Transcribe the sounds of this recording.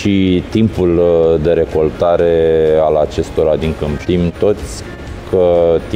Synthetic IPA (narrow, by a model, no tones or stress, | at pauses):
ʃit̪impuld̪e̞ɾe̞ko̞lt̪aɾe̞alat͡ʃe̞st̪o̞ɾad̪iŋkɨmt̪imt̪o̞t̪sʲ | kʰət̪